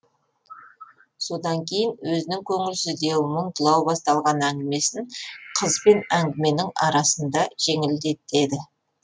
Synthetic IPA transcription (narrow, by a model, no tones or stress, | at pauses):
so̞d̪ɑŋkʲʰe̞jɪnwɵzɪnɪŋkʲʰɵŋɪlsɪzd̪e̞məɴt̪ʰəlˠɑwbɑst̪ɑlˠʁɑnæŋɡʲɪme̞sɪŋqʰəzbe̞næŋɡʲɪme̞nɪŋɑɾɑsənd̪ɑʒ̥e̞ŋɪld̪e̞t̪e̞d̪ɪ